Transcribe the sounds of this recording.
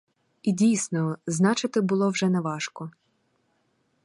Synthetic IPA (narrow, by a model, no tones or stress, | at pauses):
idʲijsnɔznɑt͡ʃɪt̪ɪbʊlˠɔwʒɛnɛʋɑʃkɔ